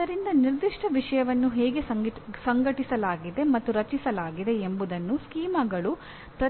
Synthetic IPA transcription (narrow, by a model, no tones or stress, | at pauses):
ɐɾind̪ɐniɾd̪iʂʈʰɐʋiʂɐjɐʋɐnːuɦɛːɡe̞sɐɡsɐŋɡɐʈisɐlaːɡid̪e̞mɐt̪ːuɾɐt͡ʃisɐlaːɡid̪e̞embud̪ɐnːuskiːmɐɡɐɭu | pɾɐ